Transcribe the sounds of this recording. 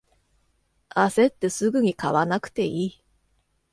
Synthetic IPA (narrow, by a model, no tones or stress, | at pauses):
ase̞t̪ːe̞sɨɡɯ̟ɲ̟ikaβanakɯ̥t̪e̞iː